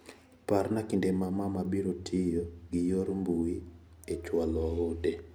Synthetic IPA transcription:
parnakindemamamabiɾotʰɪjoɡɪjoɾmbui | et͡ʃwalɔode

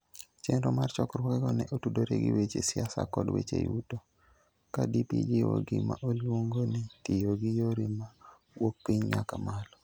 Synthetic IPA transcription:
t͡ʃenɾomart͡ʃɔkrwɔkɛɡɔnɛʔotudoɾeɡɪwet͡ʃesɪasa̰kɔdwet͡ʃḛjuto | kadipid͡ʒiwoɡɪmaʔolwoŋɡonɪtijoɡɪjoɾima | wok̚piɲɲakamalɔ

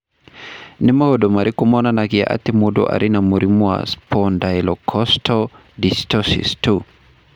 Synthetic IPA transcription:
nimahɔdɔmaɾikumɔnanakia̰ʔa̰timudɔ̰ʔa̰ɾinamuɾimua̰spɔndajlɔkʰɔstʰɔ | distɔsḭstu

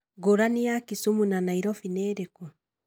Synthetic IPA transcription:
ɡoɾanijakisumunanaiɾɔfinɛːɾeku

